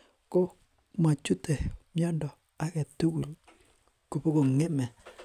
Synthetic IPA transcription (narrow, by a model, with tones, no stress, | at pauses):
ko˦ | ma˨t͡ʃu˦te˨mjɔ˦ndɔ˨ | a˦kɛ˨tu˦ku˨l | ko˨po˦ko˨ŋe˦mɛ˨